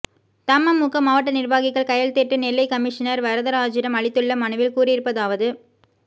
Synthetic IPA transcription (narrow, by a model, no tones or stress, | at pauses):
t̪ɐmːɐmʊkːɐmaːʋɐʈːɐnɪɾbaːɣɪkːɐɭkɐjɐɭt̪eːʈːɯnɪlːɐɪkɐmɪʂɐnɐɾʋɐɾɐðɐɾaːd͡ʒɪɾɐmɐɭɪt̪ːɯɭːɐmɐɳɯʋɪlkuːrɪɾɯpːɐðaːʋɐðɯ